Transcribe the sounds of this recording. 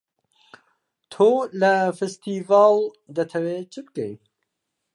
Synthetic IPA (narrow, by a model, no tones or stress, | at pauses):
t̪ʰoːlɐfest̪iːvɑːl | d̪ɐt̪ʰɐweːt͡ʃʰɨb̚kḛj